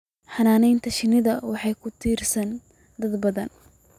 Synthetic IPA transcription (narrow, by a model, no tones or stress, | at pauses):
ħɑnaːnɛjnt̪ʰɐʃɪnɪðɐwɑħɑjkʰʊt̪ʰiːrsɐn | d̪ɐd̪bɐðɐn